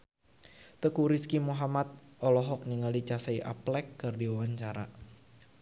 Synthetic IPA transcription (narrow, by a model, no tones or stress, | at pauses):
t̪əkuɾiskimuɦamat̪̚ʔɔlɔɦɔk̚niŋalit͡ʃasaiʔa̰plɛkːɨrdiwawaɲt͡ʃaɾa̰